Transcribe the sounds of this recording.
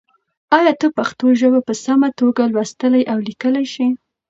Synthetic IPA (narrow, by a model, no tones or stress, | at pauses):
ɑjɑt̪əpaxt̪oʒəwapəsamat̪oɡalwast̪əlajʔawlikəlajʃi